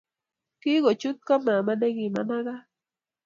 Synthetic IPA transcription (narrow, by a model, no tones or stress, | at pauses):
kiɢot͡ʃʊt̪̚kamaːmanakima̰naɢɑ